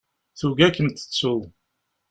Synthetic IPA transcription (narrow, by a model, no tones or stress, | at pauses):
θuɡækːənt̪ə̥t͡sːʊðˤ